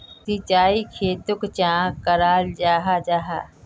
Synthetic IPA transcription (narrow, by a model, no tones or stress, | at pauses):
sit͡ʃaːikʰeːt̪ʊkt͡ʃãːkəɾaːld͡ʒaːɦad͡ʒaːɦaː